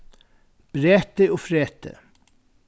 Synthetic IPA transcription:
b̥ɾeːt̪əoːfɾeːt̪ə̰

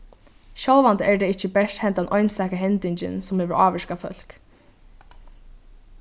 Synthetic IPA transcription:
ʃɔwʋant̪əɛɹd̪ɛɪt͡ʃːəbɛʂt̪hɛnt̪anʔɔʏjnsɛːkaɦɛnt̪ɪɲt͡ɕɪ̰nsʊmheːʋəɹaːʋɛʂkafœ̰l̥k

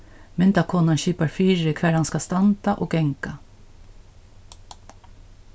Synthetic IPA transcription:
mɛnd̪ɑkʰɔnɑnʃyːpɑɾfyːɾəkʰʋæɾhɑnskɑst̪ɑnt̪ɑʔoːɡɛŋkɑ

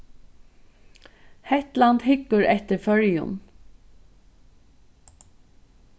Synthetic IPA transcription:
hɛht̪lant̪hɪkːʊɾɛht̪ɪɾfœɹjʊ̰n

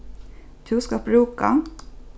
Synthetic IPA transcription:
t̪ʰʉːskɑpɾʉːkɑ

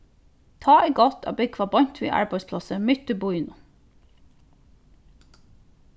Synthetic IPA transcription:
t̪ʰɑːʔæɪɡɔt̪ʰɑ̰ːbɪɡ̚kʰʋɑbɔɲt̪ʰʋḭːʔɑ̰ɹbæɪspʰlɑsəmʏt̪əbuɪnʊ

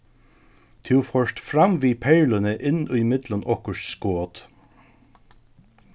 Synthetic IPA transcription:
t̪ʰʉːfɔʂt̪fɾɑmʋiːpʰeɪlənəʔɪnʊɪmɪt̪lənʔɔkəʃskoːt̪

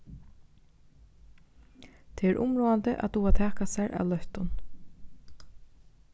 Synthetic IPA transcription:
t̪ʰeːɛɾʔʊ̰mɹoːant̪əʔa̰t̪uːat̪ʰɛːkasaɾʔa̰wlœht̪ʊn

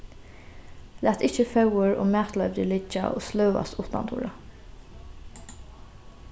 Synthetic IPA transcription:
lʔæːt̪ɪçəfɑʊəɹo̰ːmæːt̪lɑʏʋd̪ilɪd͡ʒɑ̰ʔo̰ːslœʉɑ̰st̪ʊːt̪d̪ɑ̰nt̪ṵːɹɑ

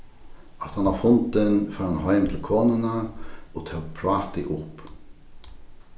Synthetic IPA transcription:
ɑt̪hɑnɑfʊnd̪ənfœɑnhɑɪmt̪ʰɪlkʰoːnənəot̪ʰœːpʰɾɑːt̪ɪʔʊp

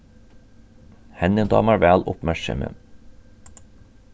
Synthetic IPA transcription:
hɛnənd̪ɑ̰ːmæːɾʋæːlʔʊpmæɾʃə̰mə̰

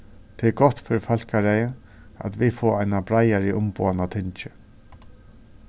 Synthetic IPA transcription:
t̪ʰɪɛɡɔht̪fɪɾɪfœl̥kaɾɛjə | a̰t̪vifɔːajnabɾajaɹiʔʊmpo̰ːanat̪ʰɪɲt͡ʃɪ

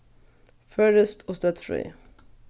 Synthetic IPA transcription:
fœɾəst̪ʰɔst̪œːt̪fɾḭː

